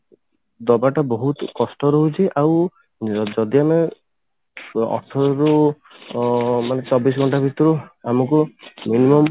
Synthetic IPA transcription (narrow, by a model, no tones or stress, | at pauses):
d̪ɔbaʈabɔɦut̪kɔsʈɔɾɔɦut͡ʃʰiʔaw | d͡ʒɔd̪iame | ɔ̰ʈʰɔɾu | manet͡ʃɔbis̬ɡʱɔɳʈabʱit̪ɔɾuamɔkuminimɔm